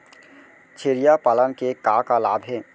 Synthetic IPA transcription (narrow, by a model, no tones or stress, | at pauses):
t͡ʃʰeːɾijapaːlənkekakalaːbʱɦɛː